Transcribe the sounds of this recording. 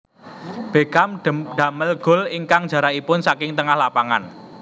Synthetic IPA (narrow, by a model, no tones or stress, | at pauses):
b̥e̤kamd̪̥a̤məlɡ̥ɔ̤lɪŋkaŋd̥d͡ʒ̥ä̤ɾaipʊnsakɪŋt̪əŋahlapaŋa̰n